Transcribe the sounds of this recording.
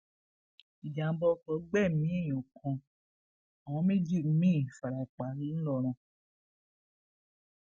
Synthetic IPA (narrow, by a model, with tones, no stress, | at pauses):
i˨d͡ʒa˨˦bɔ˧˦kɔ˨˦ɡ͡bɛ˦˨mĩ˨˦ĩ˦˨ɔ̃˨kʰɔ̃˧ | a˨w̃ɔ̃˨˧˦mĩ˦d͡ʒi˦˨m̩˦mĩ˦˨fa˨ɾa˨i˨k͡pa˨ɾi˦lɔ˦˨ɾ̃ã˧